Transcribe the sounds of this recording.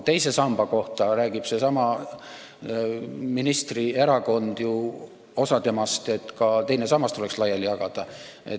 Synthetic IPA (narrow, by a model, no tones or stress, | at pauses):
t̪e̞jse̞sɑmb̥ɑko̞ht̪ɑɾæːɡ̥ib̥se̞sɑmɑ | minist̪rie̞ɾɑko̞nd̪̥ju | o̞sɑt̪e̞mɑst̪e̞t̪kɑt̪e̞jne̞sɑmːɑst̪ːule̞kslɑjːɑlijɑɡ̥ɑd̪̥ɑe̞̰t̪